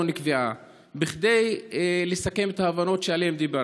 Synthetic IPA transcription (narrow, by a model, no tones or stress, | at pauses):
onikvia | biχd̪e̞jlesake̞me̞t̪aːvano̞tʃealiemd̪iba